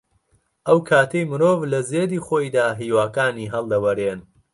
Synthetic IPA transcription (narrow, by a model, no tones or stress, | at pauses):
ʔɐwkʰaːt̪ʰejmɨɾoːvlɐzeːd̪iːχoːjd̪aːɦiːwaːkaːniːɦɐlˠd̪ɐwɐɾeːn